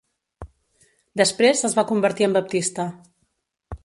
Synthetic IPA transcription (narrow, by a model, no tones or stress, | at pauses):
d̪əspɾezəzβakumbəɾt̪iəmbəp̚t̪ist̪a